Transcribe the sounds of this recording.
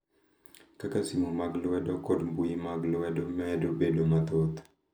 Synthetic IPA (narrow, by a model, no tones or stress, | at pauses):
kakasimomaɡlwɛdɔkɔdmbujimaɡlwɛdɔmɛdobedomat̪ot̪